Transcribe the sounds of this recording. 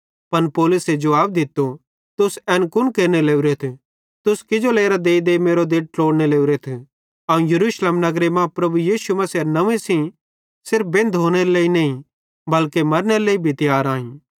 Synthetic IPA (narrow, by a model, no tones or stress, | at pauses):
pɐnpoːlʊsed͡ʒɐʋaːb̚d̪ɪt̪ːo | t̪ʊsɛːnkʊnkeːɾneleːuɾet̪ʰe | t̪ʊskɪd͡ʒoleːɾad̪eːd̪emeːɾod̪eːʈ̚ʈloːɽneleːuɾet̪ʰe | ɐũjɐɾuːʃleːmnɐɡɾemãpɾɐbujiːsumɐsiɐnɐʋẽsi | sɪɾfbẽːnd̪ɦoːñeɾeleːinɐ̃ːĩ | bɐlkemɐɾneɾeleːibʱit̪ɪjaːɾãːĩː